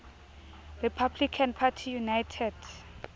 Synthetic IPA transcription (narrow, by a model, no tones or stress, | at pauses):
ripʰablikʰanpʰatʰijunajtʰɛd